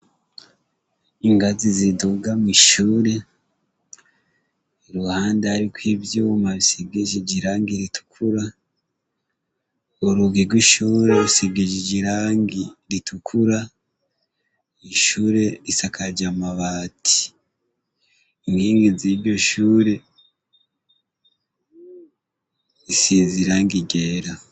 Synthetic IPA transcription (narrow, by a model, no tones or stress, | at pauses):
iŋɡaziziduɡamwiʃuːɾe̞ | ɾuhaːndeaɾikwibjumaβiseɡeʒeɟiɾaːŋɡiɾitʰu̥kʰuɾa | oɾuɡiɡwiʃuːɾe̞ɾuseɡeʒeɟiɾaːŋɡiɾitʰukʰuɾa | iʃuːɾe̞ɾisakʰaɟamaβaːtʰi̥ | ŋɡiːŋɡiziɾɟo̞ʃuːɾe̞ | isiːnziɾaːŋɡiɟeɾa